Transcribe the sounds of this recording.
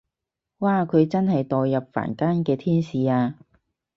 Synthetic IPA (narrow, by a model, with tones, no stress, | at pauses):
waː˨˩kʰɵ˨˧ɥt͡sɐ˥nhɐ˨jt̪ɔː˨jːɐ˨p̚fa̰ː˨˩nkaː˥nkɛː˧t̪ʰiː˥nsiː˨aː˧